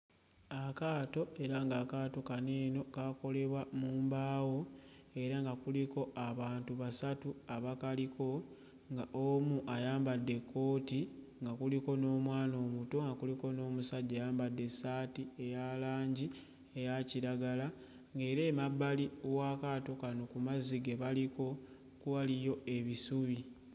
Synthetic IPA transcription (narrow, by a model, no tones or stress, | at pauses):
akaːto̞eɾaŋɡakaːto̞kaneːno̞kako̞le̞βwamuːmbaːwo̞e̞ɾaŋɡakuliko̞aβaːntuβasatuaβakaliko̞ | ŋɡaʔomuʔajaːmbadːe̞kʰːo̞ːti | ŋɡakuliko̞no̞ːmwaːno̞ːmuto̞ŋɡakuliko̞no̞ːmusaɟːaːjaːmbadːe̞saːtie̞jalaːɲɟi | ejaciɾaɡala | ŋɡe̞ːɾe̞ːmabːaliowaːkaːto̞kano̞kumaziɡeβaliko̞ | kuwalijo̞e̞βisuβi